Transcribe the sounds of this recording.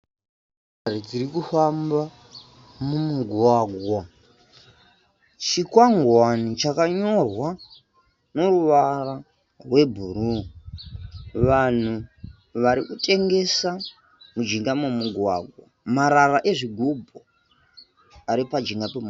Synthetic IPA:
ɾid͡ziɾikufamba | mumuɡʱwaːɡʱwa | t͡ʃikwaŋɡwanit͡ʃakaɲo̞rwa | no̞ruʋara | rwe̞bʱuɾu | ʋan̤u | ʋaɾikutʼe̞ŋɡe̞sa | mud͡ʒiŋɡamumuɡʱwa̰ɡʱwa̰maɾaraʔe̞ʐiɡʱubʱo | aɾipad͡ʒiŋɡapem

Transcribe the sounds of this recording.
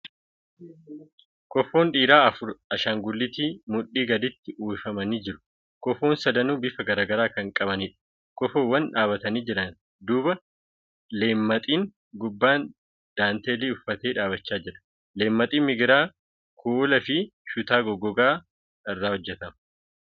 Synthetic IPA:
kɔfːoːnᶑiːɾaːɐfʊɾɐʃaːŋɡʊlːɪt̪iːmʊᶑiːɡɐd̪ɪt̪ːɪʔuːɪfɐmɐniːd͡ʒɪɾʊ̥ | kɔfo̞ːnsɐd̪ɐnuːbɪfɐɡɐɾaːɡɐɾaːkɐŋkʼɐbɐniːᶑɐ̥ | kɔfoːwɐnᶑaːbɐt̪ɐniːd͡ʒɪɾɐn | d̪uːbɐ | le̞ːmːɐt̪ʼiːŋ | ɡʊbːaːn | d̪̥aːnt̪eːliːʊfːɐt̪eːᶑaːbɐt͡ʃːaːd͡ʒɪɾɐ̥ | le̞ːmːɐt̪ʼiːmɪɡɪɾaː | kʰuːlɐfɪʃʊt̪aːɡɔɡːɔɡaː | ɪrːaːhɔd͡ʒːɛt̪ɐmɐ

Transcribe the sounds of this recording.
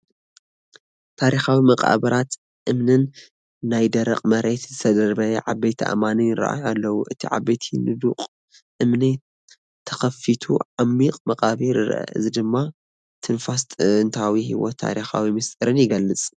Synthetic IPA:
t̪ʰaɾixawimɐqʼa̰bɐɾat̪ | ʔɨmnɨnː | ajd̪ɐɾɐ̰qʼmɐɾet̪zɨt̪ʰɐd̪ɐɾbɐjʕabejt̪ʰiʔa̰manɨjɨɾa̰ʔa̰jalːɐwuʔɨt̪ʰḭʕa̰bejt̪ʰinɨd̪uqʼ | ʔɨmni | t̪ʰɐ̥xɐfit̪ʰṵʕamːiqʼmɐqʼaβiɾɨɾ̰ʔɐ̰ɨ̰zid̪ɨmːa | t̪ʰɨnfast̪ʼnt̪ʰawiɦiwo̰t̪ʰːa̰ɾixa̰wimɨst̪ʼɨɾɨnjɪɡɐlːɨt͡sʼ

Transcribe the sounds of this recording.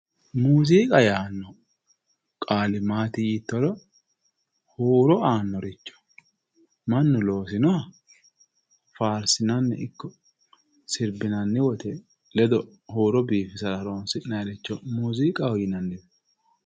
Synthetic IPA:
muːziːkʼɐjaːnːɔ | kʼaːlɪmaːt̪iit̪ːɔlɔ | hoːɾɔaːnːɔɾɪt͡ʃːɔ̥ | mɐnːʊlo̞ːsɪnɔɐ | faːɾsɪnɐnːɛ̰ʔɪkːɔ | sɪɾbɪnɐnːɪwɔt̪ɛ | lɛd̪ɔ | hoːɾɔbiːfɪsɐlɐɾoːnsɪnɐɾɛt͡ʃːɔmuːziːkʼɐhɔjɪnɐnːɪb

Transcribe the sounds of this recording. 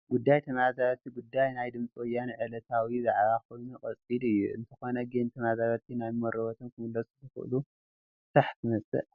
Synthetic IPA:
ɡ̥ud̪ːajt̪ʰɐmazaβɐt̪ʰiɡud̪ːajnajd̪ɨmt͡sʼiwɔjːanʕɨlɐt̪ʰawizaʕβakʰo̞jnukʼɐt͡sʼilɨjːṵɨ̰nt̪ʰɐxo̞nɐɡent̪ʰɐmazaɾɐt̪ʰinajmɐɾɨβɐt̪ʰonkʰɨmɨlːɐsuzɨxɨ̰ʔɨ̰lu | t̪aħt̪ʰɨmɐsʼɨ̰ʔ

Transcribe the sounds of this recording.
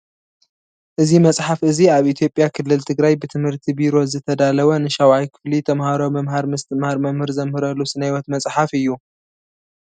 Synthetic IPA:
ʔɨzimɐt͡sʼħafɨziaβʔit̪ʰjo̞pʼjakʰɨlːɨlt̪ʰɨɡɾajbɨt̪ʰɨmhɨɾt̪ʰibiɾo̞zɨt̪ʰɐd̪alɐβɐnɨʃawajkʰɨ̥flit̪ʰɐmhaɾomɐmhaɾmɨst̪ɨmhaɾmɐmhɨɾzɐmhɨɾɐlːusɨnajwɐt̪mɐt͡sʼħafɨjːu

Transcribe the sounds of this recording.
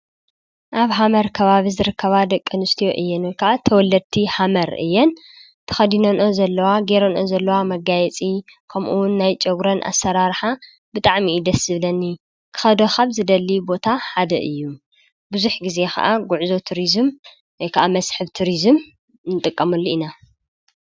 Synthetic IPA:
ʔaβɦamɐɾkʰɐβaβizɨɾɨkʰːɐβad̪ɐkʼːɨnɨst̪ʰijo̞ʔɨjːɛnwjkʰaʔat̪ʰɐwɔlːɐd̪̚t̪ʰihamɐɾʔɨ̰jːɛn | t̪ʰɐ̥xɐd̪inonʔozɐlːɐwaɡeɾonʔozɐlːɐwamɐɡajɛt͡sʼi | kʰɐmʔuwʊnːajt͡ʃʼɐɡɾɐnʔa̰sɐɾaɾħa | bɨt̪ʼaʕmiːd̪ɐsɨβlɐnːi | kʰɨ̥xɐd̪oxaβzɨd̪ɐlːibo̞t̪ʰaħad̪ɐ̰ʔɨjːu | bɨzuħɡize̞xɐ̰ʔaɡuʕzo̞t̪ʰuɾizɨm | wɔjkʰɐʔamɐsħɨβt̪ʰuɾizɨm | nɨt̪ʼɨkʼːɐmɐlːoina

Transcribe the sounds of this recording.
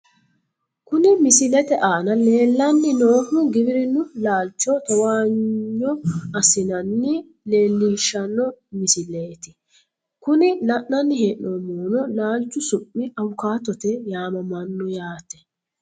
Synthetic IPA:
kʊnɪmɪsɪlɛt̪ɛʔaːnɐleːlːɐnːɪnoːmʊɡɪbɪɾɪnʊlaːlt͡ʃːɔt̪ɔwaːɲːɔɐsɪnɐnːɪ | le̞ːlːiːʃːɐnːɔmɪsɪleːt̪ɪ | kʊnɪnɐʔnɐnːɪheːʔnomoːnɔlaːlt͡ʃːʊsʊʔːɪɐwʊkaːt̪ɔt̪ɛjaːmɐmɐnːɔjaːt̪ɛ̥

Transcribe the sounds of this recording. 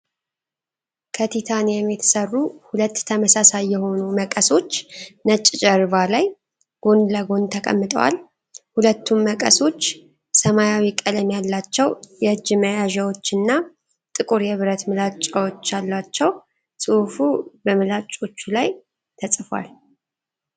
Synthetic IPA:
kʰət̪ʰit̪ʰanjɛmːjɛt̪ʰɨ̥sərːuhulət̪ːʰəməsasajːɛho̞numəkʼəso̞t͡ʃːnət͡ʃʼt͡ʃʼɛɾβalaj | ɡ̥o̞nləɡo̞nt̪ʰəkʼə̰mːɨt̪ʼə̰wa̰l | hulət̪ʰːunməkʼəso̞t͡ʃː | səmajawikʼələmjalːat͡ʃːɛwjɛd͡ʒɪməjaʒɛwo̞t͡ʃːɨnːa | t̪ʼɨkʼuɾjɛβɨɾət̪mɨlat͡ʃʼːawot͡ʃːalːat͡ʃːɛw | sʼɨfubəmɨlat͡ʃʼo̞t͡ʃːulaj | t̪ʰəsʼfa̰l

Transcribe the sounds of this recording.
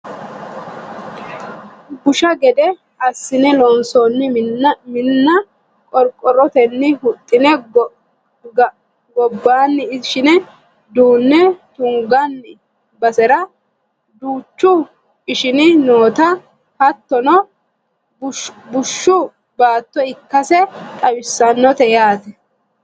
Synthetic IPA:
ɡʊʃɐɡɛd̪ɛ | ɐsːɪnɛlɔnsɔnːɪmɪnːɐ | kʼɔɾkʼːɔɾɔt̪ɛnːɪhʊt̪ʼːɪnɛ | ɡɔbːaːnːɪɪʃɪnɛ | d̪uːnːɛt̪ʊŋɡɐnːɪ | bɐsɛɾɐ | d̪uːt͡ʃːʊ | ɪʃɪnɪnoːt̪ɐ | hɐt̪ːɔnɔ | bʊʃːʊ | baːt̪ːɔɪkːɐsɛt̪ʼɐwɪsːɐnːɔt̪ɛjaːt̪ɛ

